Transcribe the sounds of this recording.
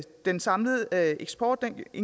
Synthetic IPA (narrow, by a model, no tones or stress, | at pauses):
d̥ensɑ̈mləð̩ˠeɡ̥sb̥ʰɒ̰ːd̥̚ːene